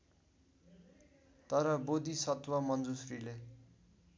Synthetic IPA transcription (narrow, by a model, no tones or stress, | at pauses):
t̪ʌɾʌbod̪isʌt̪wʌmʌnd͡zusrile